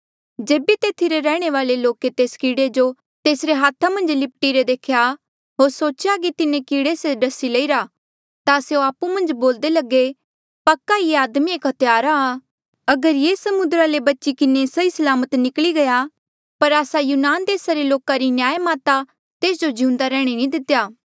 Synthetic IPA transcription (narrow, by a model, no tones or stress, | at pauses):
d͡ʒeːbit̪eːt̪ʰiɾeɾɛːɽ̃eʋaːleloːket̪eːskiːɽed͡ʒo | t̪eːsɾeɦaːt̪ʰamɐ̃nd͡ʒlɪp̚ʈiɾed̪eːkʰja | ɦoːɾsoːt͡ʃjak̬it̪ɪnẽkiːɽeːseɖɐsileiɾa | t̪aseoaːpːumɐ̃nd͡ʒboːld̪elɐɡe | pɐkːaieaːd̪mieːkɦɐt̪ʰjaːɾaː | ɐɡəɾjeːsɐmʊ̃nd̪ɾalebɐtːʃikɪnesɐisɐlaːmət̪nɪkliɡɐja | pɐɾaːsajuːnaːnd̪eːsaɾeloːkaɾinjaːemaːt̪a | t̪eːsd͡ʒod͡ʒiũːnd̪aɾɛːɽ̃inĩd̪ɪt̪ːejaː